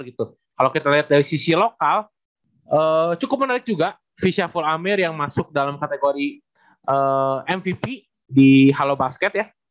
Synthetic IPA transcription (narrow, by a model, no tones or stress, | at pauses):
ɡit̪u | kalawkit̪aliɦat̪̚daɾisisilokal | ʔət͡ʃukʊp̚mənaɾɪk̚d͡ʒuɡa | fisiafulamɪrjaŋmasʊk̚dalamkat̪eɡoɾi | ʔəːɛnfipi | diɦalobaskɛt̪̚ja